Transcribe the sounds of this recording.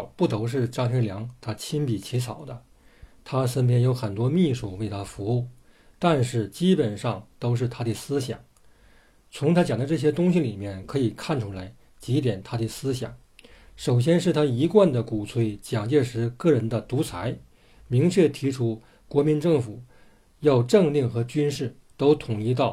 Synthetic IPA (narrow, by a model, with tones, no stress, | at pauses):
pu˥˩t̪o˧˥ʊʂ̬ɻ̩˥˩ʈ͡ʂɑ˥˩ŋtʰɛ˥ljɑ˧˥ŋt̪ʰa˥t͡ɕʰi˥npi˨˩t͡ɕʰi˧˥t͡sʰɑ˨˩ʊd̪ə˦ | t̪ʰa˥sə˥npʰjɛ˥njo˧˥ʊxə˨˩nt̪wɔ˥mi˥˧ʂu˥˩we˥˩ɪt̪ʰa˥fu˧˥u˥˩ | t̪a˥˧nʂɻ̩˥˩t͡ɕi˥pə˨˩nʂɑ˥˧˩ŋt̪o˥ʊʂ̬ɻ̩˥˩t̪ʰa˥d̪ə˥˩sɹ̩˥ɕjɑ̰˨˩˦ŋ | t͡sʰʊ˧˥ŋt̪ʰa˥t͡ɕjɑ˨˩ŋd̪ʈ͡ʂɤ˥˩ɕ̬jɛ˥t̪ʊ˥ŋɕi˧˨li˨˩mjɛ˥˩nkʰɤ˧˥i˨˩kʰa˥˩nʈ͡ʂʰu˧˥la˧˥ɪ | t͡ɕi˧˥t̪jɛ˨˩nt̪ʰa˥d̪ə˨˩sɹ̩˥ɕjɑ̰˨˩˦ŋ | ʂo˨˩ʊɕ̬jɛ˥nʂɻ̩˥˩t̪ʰa˥i˧˥kwa˥˩nd̪ə˩ku˨˩t͡sʰwe˧˥ɪt͡ɕjɑ˨˩ŋt͡ɕjɛ˥˩ʂɻ̩˧˥kɤ˥˩ɻə˧˥nd̪ə˧t̪u˧˥t͡sʰa˧˥ɪ | mi˧˥ŋt͡ɕʰɥɛ˥˩t̪ʰi˧˥ʈ͡ʂʰu˥ | kwɔ˧˥mi˧˥nʈ͡ʂɤ˥˩ŋfu˨˩˦ | jɑ˥˧ʊʈ͡ʂɤ˥˧ŋli˥˩ŋxɤ˧˥t͡ɕy˥nʂɻ̩˥˩t̪o˥ʊt̪ʰʊ˨˩ŋi˥˧t̪̬ɑ˥˩ʊ